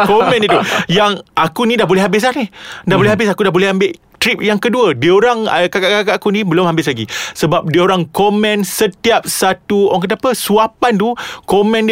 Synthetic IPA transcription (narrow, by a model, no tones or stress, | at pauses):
komɛ̃nit̪ujaŋʔakunĩdahbolɛɦabɪs̬anidahbolɛɦabɪs̬akudahbolɛɦambɪʔ | t̪ɾip̚jaŋkəduədiəoɾaŋəkakaʔkakaʔakunĩbəlʊmhambɪs̬laɡisəbap̚diəoɾaŋkomɛ̃nsət̪iap̚sat̪uoaŋkət̪̬apəsuapant̪ukomɛ̃nd